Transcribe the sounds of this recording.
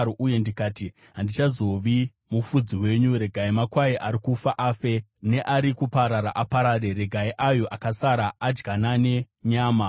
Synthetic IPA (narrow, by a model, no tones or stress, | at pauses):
oʔuje̞ndikaːti | ɦandit͡ʃazo̞ʋi | mufud͡ziwe̞ɲuɾe̞ɡʱaimakwaiʔaɾikufaʔaːfene̞ʔaɾikupaɾaɾaʔapaɾaːɾe̞ɾe̞ɡʱaiʔajo̞ʔakasaɾaʔːd͡ʒɡanane̞ | ɲaːma